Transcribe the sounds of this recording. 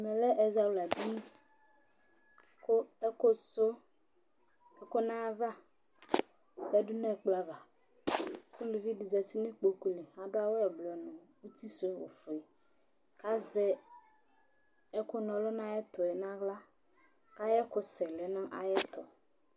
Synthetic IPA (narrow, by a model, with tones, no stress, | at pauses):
mɛ̃˨lɛ˦ʔe˨za˨u˦la˨di˦nũ˦ | ko˦ɛ˦ko˦so˦ | ɛ˦ko˦nã˦va˦ | bɛ˦ɖu˦nẽ˦ɛ˨k͡pla˦va˨ | ku˦le˨vi˦ɖi˨zɛ˨si˦nẽ˦k͡po˨ku˨le˨ã˦ɖo˦a˦wo˦ɛ˨blɔ˨nɔ̃˨wu˦t̪i˦so˦˨wo̰˨fo˨ɛ˨ | ka˦zɛ˦ | ɛ˦ko˦nɔ̃˨lo˦nã˦jɛ˦t̪ɔ˨ɛ˨nã˦ɣla˦ | ka˦jɛ˦ko˦sɛ˨lɛ˨nã˦ʔa̰˨jɛ˦t̪ɔ˨